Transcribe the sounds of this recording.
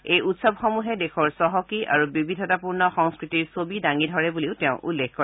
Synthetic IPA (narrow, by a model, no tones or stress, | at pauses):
ejutsɔbxɔmuɦɛdekʰɔɹsɔɦɔkiʔa̰ɹubibidʱɔtapuɹnɔxɔŋskɹitiɹsobidaŋidʱɔɹɛbuliʊtɛʊ̃ʔulːekkɔɹ